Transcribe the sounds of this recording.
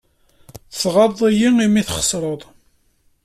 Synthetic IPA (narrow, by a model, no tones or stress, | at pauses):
θəsʁɑðˤijiimiθχə̥sˤɾˤəðˤ